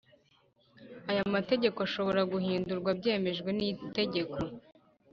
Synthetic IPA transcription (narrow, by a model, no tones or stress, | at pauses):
ajamate̞ɟe̞koaʃo̞βo̞ɾaɡuhiːnduɾɡwabɟe̞ːme̞ʒɡwe̞nite̞ɟe̞kʰo̞